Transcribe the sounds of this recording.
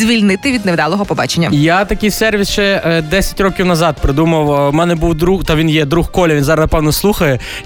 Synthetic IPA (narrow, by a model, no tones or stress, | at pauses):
zʲʋʲilʲnɪt̪ɪʋʲid̪neʋd̪ɑlˠɔɦɔpɔbɑ̰t͡ʃenʲːɐ̰jat̪ɐkʲijsɛrʋʲisʃt͡ʃɛd̪ɛsʲɐ̥tʲrɔkʲiwnɐzɑd̪̚pɾɪd̪umɐwmɛnɛbuwd̪ɾut̪ɐʋʲinjɛd̪ɾuxkɔlʲɐʋʲinzɑɾnɐpɛwnɔslˠuxɐjɛ